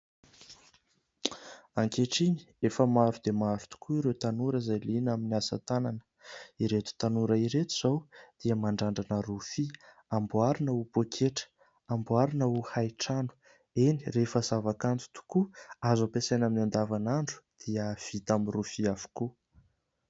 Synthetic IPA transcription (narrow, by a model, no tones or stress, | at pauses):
aŋkeʈ͡ʂini̥ | efəmaɾud̪emaɾu̥t̪u̥kʰuiɾewt̪anuɾəzajlinaminiasə̰t̪ananə̥ | iɾet̪u̥t̪anuɾəiɾet̪uz̥awd̪̥iəmaɳɖ͡ʐaɳɖ͡ʐanəɾufi | ambuaɾinəupokʰeʈ͡ʂə̥ | ambuaɾinəuhajʈ͡ʂanu̥ | enirefəzavakant̪u̥t̪u̥kuazapesajnaminand̪avanaɳɖ͡ʐu̥d̪̥iəv̥it̪aminrufiafu̥ku